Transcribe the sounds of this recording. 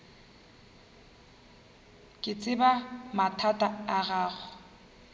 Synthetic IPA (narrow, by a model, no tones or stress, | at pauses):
kʼɪt͡sʼɪbamatʰatʼaaɣaːɣʊ